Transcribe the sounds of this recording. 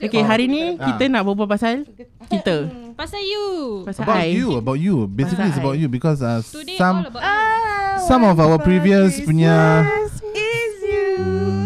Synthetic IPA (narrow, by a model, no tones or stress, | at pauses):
okeɦaɾinĩkit̪ənãʔbəbəpasal | kit̪ə | upasabajuəbaʊtjubesiklitsəbaʊtjubikɔsasãm | sãmɔfawəpɹiviəspuɲa